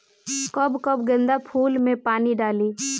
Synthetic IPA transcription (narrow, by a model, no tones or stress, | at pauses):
kəbkəbɡə̃nd̪apʰuːlmẽpaːniɖaːliː